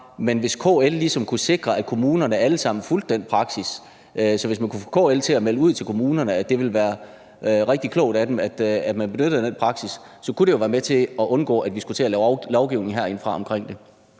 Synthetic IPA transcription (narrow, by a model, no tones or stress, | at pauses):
menʋe̝skʰɔ̰ellisɒ̽mkʰuse̝ɡ̥ʁɐæ̥kʰo̝muːnɐnəæləsɑ̈m̰n̩fuld̥den̰d̥̚pʰʁɑ̈ɡ̥sis | sɒ̽ʋe̝smænkʰufkʰɔ̰ːelt͡sʰe̝æmeləuð̞̰ˠt͡sʰe̝lkʰo̝muːnɐnəæd̥e̝ʋe̝lʋæːɐ | ʁeɡ̥d̥ikʰlɔʊd̥æd̥emæd̥æd̥mænb̥e̝nød̥ð̩ˠd̥enpʰʁɑ̈ɡ̥sisː | ɒ̽kuɾe̝jo̝ʋæːɐmet͡sʰe̝ɒ̽ʔɔ̽nɡ̥ɔ̰̽ːæd̥ʋisɡ̥ut͡sʰe̝ælɛʊlɒʊɡ̥iʊne̝ŋ̩ɦæɐ̰e̝nfʁɑ̈ɒ̽mkʰʁeŋ̰d̥e̝